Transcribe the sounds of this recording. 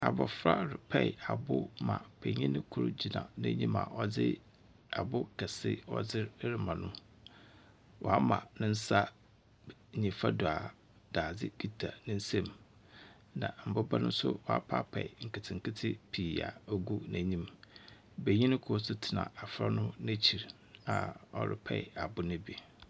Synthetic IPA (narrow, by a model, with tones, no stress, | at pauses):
a˨bɔ̰˨fɾa˦ɾɪ˨pʰɛ˦˨a˨bʊ˦mã̰˨pʰɛ˨ɲĩ˦nɪ̃˦kʰʊ˦ɾʊ̰˦d͡ʑi˨nã̰˨nã̰˦ɲĩ˦ma̰˨ʔɔ˦d͡zɪ˦ | a˨bʊ˦kʰɛ˨sɪ˦ɔ̰˦d͡zɪ˦ɾɾɪ˨mã˨nʊ̃˦ | wʔɔ˨a˦mã̰˨nʊ̃˦n̩˦sa˦˨ | ɲĩ˨fa˦dʊ˨a˨ | d̥aː˨d͡zɪ̰˦kʰi˦tʰa˨nɪ̃˦n̩˦sɛ̃˦m | nã̰˨m̩˨bʊ˦ba˦nʊ̃˦m˦sʊ̰˦wɔ˨a̰˦pʰaː˦pʰɛ˨ɪ˨ŋ̩˨kɪ˨tʰɪ̃˨ŋ̩˨kʰɪ˦tʰɪ˦pʰiː˨a̰˨o˦ɡu˦næ̃˨ɲĩ˦m | be˨ɲĩ˦nɪ̃˦kʰʊ˨˦ɔ˦sʊ˦tʰɪ˨nã̰˨a˨fɾa˦nʊ̃˦næ̃˦t͡ɕʰi˨ɾ | a˨ɔ̰˦ɾɪ̰˦pʰɛ˨ɪ˨a˨bʊ˦nɪ̃˦bi˦